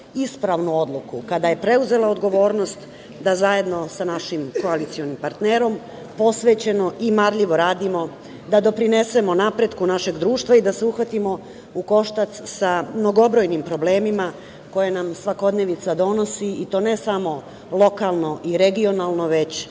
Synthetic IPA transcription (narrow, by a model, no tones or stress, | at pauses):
ispɾaʋnuo̞d̪lˠukukad̪aje̞pɾe̞uze̞lˠaod̪ɡo̞ʋo̞ːɾno̞st̪ | d̪azaje̞d̪no̞sanaʃimko̞alit̪sio̞nimpaɾt̪neːɾo̞m | po̞sʋe̞ːt͡ɕe̞no̞ʔimaɾʎiʋo̞ɾaːd̪imo̞ | d̪ad̪o̞pɾine̞se̞mo̞napɾe̞d̪kunaʃe̞ɡd̪ɾuːʃt̪ʋaid̪ase̞uxʋat̪imo̞ | uko̞ʃt̪at̪ssamno̞ɡo̞bɾo̞jnimpɾo̞ble̞ːmima | ko̞je̞namsʋako̞d̪ne̞ʋit̪sad̪o̞no̞siit̪o̞ne̞samo̞ | lˠo̞kalˠno̞ʔiɾe̞ɡio̞nalˠno̞ʋe̞t͡ɕ